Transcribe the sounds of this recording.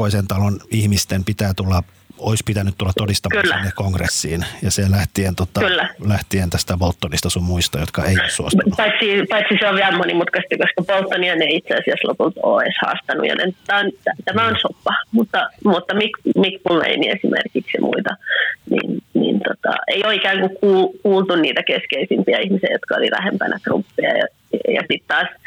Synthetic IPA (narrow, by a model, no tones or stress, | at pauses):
oisent̪ɑlonihmist̪empit̪æːt̪ulːɑ | oispit̪ænyt̪t̪ulːɑt̪odist̪ɑkylːæ̰nːekkoŋɡrḛsːiːnjɑselæht̪ient̪ot̪ːɑkylːælæht̪ient̪æst̪æpolt̪ːonist̪ɑsummuist̪ɑjot̪kɑeˑijo̰ssuosunpɑit̪sipɑit̪siseoʋʋiæmmonimut̪kɑst̪ykoskɑpolt̪ːoniɑneit̪seɑsiæslo̰pult̪o̰ːḛshɑ̰ːst̪ɑnːṵjɑ̰nḛnt̪ot̪ɑont̪æt̪æmæonsopːɑmut̪ːɑmut̪ːɑmikmikpulmḛiniesimʔḛrkiksimʔṵit̪ɑnḭnnḭnt̪ot̪ɑ̰eioːikæːŋkukkuːlkuːlt̪unniːt̪ækeskeisimpiæihmiseːjot̪kɑoliʋæ̰hempænæt̪rṵpːiɑ̰jɑ̰ | jɑsit̪t̪ɑːs